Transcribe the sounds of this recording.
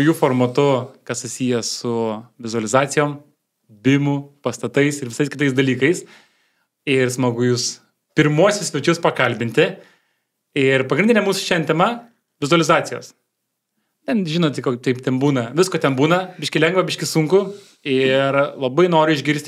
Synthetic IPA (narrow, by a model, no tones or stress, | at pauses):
juːfoːrmɐt̪ʊkɐssʊsʲiːjɛsʊʋʲɪzʊɐlʲɪzɑːsʲɪjoːm | bʲɪmʊpɐst̪ɐt̪ɐɪsɪɾʋʲɪsɐɪskʲɪt̪ɐɪsd̪ɐlʲiːkɐɪs | ɪrsmɐɡʊjʊs | pʲɪɾmuɔsʲɪsʲʋʲɛt͡ʃʲʊspɐkɐlʲbʲɪnʲt̪ʲɪ | ɪrpɐɡɾɪndʲɪnʲɛmuːsʊ̥ʃʲɛnʲt̪ʲɛmɐ | ʋʲɪzʊɐlʲɪzɑːt̪t͡s̪ʲɪjo̰ːs | t̪ʲɛnʒʲɪnoːt̪ʲɪkokt̪ʲɐɪpt̪ʲɛnbuːnɐʋʲɪskoːt̪ʲɛnbuːnɐbʲɪʃʲkʲɪlʲɛŋɡʋɐbʲɪʃʲkʲɪsʊŋkʊ | ɪrlˠɐbɐɪnoːɾʲʊɪʒʲɡʲɪɾʲsʲt̪ʲ